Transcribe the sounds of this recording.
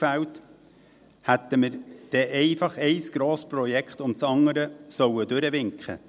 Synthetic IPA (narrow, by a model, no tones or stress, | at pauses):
fæwt | hæt̪əməɾd̥ɛʔɛɪfɑχɛɪsɡ̥ɾoːspɾɔjɛkχt̪ʊmt͡sɑŋːəɾəsœwəd̪ʉɾəʋɪŋkχə̰